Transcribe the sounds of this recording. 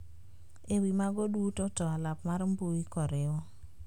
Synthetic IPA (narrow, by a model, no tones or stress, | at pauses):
ewimaɡɔdutɔtɔalapmaɾmboikɔɾɪɔ